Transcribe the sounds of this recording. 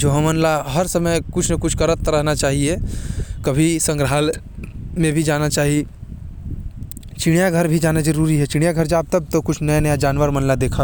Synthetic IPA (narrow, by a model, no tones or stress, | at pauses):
d͡ʒoːɦə̃mɐnlaɦɐɾsɐməjkʊt͡ʃʰnɐkʊt͡ʃʰkɐɾət̪ːɾəɦnat͡ʃaːɦiekɐbʱisə̃ŋɡɾɦaːl | mẽbʱid͡ʒaːnat͡ʃaːɦie | t͡ʃɪɽjaɡʱɐɾbʱid͡ʒaːnad͡ʒɐɾuːɾiɦɛt͡ʃɪɽ̃jaɡʱəɾd͡ʒaːb̚t̪ɐb̚t̪okʊt͡ʃʰnɐjanɐjad͡ʒaːnʋəɾmɐnlad̪eːkʰa